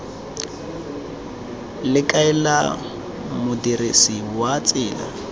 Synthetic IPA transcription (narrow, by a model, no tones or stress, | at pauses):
lɪkʼaɛla̰ | mʊdiɾesiwat͡sʼɪːla̰